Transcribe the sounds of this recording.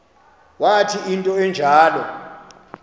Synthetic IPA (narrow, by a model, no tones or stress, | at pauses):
watʰiintʼɔɛnd͡ʒʱaːlɔ̰